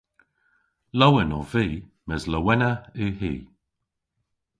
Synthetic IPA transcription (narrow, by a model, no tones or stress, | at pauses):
lɔwənɔviː | mɛzləwɛnəihḭː